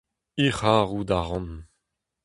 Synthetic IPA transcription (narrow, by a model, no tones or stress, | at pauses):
iχaːʁud̪aʁɑ̃n